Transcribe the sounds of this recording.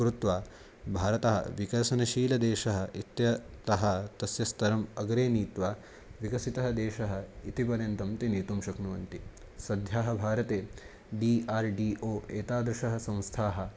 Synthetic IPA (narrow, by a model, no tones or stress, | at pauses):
kɾut̪ʋaː | bʱaːɾɐt̪ɐɦɐ̰ʋikɐɾʃɐnɐʃiːlɐd̪eːʃɐɦɐ̆ʔit̪jɐt̪ɐɦɐ̆t̪ɐsjɐst̪ʰɐɾɐmɐɡɾeːniːt̪ʋaː | ʋikɐsit̪ɐɦɐd̪eːʃɐɦɐ̆it̪ipɐɾent̪ɐmt̪iniːt̪umʃɐknuʋɐnt̪i | sɐd̪ʱjaːɦɐbʱaːɾɐt̪eː | ɖiːaːɾɖiːʔoːeːt̪aːd̪ɾuʃɐɦɐ̆sɐ̃w̃st̪ʰaːɦɐ̆